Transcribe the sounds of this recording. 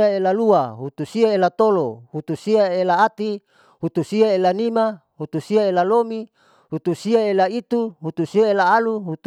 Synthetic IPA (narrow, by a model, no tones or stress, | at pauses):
aelaluaɦut̪usiaelat̪olohut̪usiaelaːt̪i | hut̪usiaelanima | hut̪usiaelalomi | hut̪usiaelait̪uɦut̪usiaelaːluɦut̪